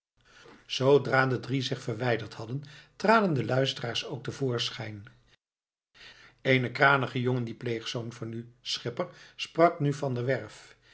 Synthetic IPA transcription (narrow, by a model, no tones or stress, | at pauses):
z̥owdraːdədrizɪχfərʋɛjdəɹthɑdəntraːdəndəlœɥstəraːɹsowk̚təvʊːɹsχɛjn | ejnəkraːnəχəjoŋəndiplejχsownvɑnysχɪpəɹsprɑknyvɑndəʋɛɹf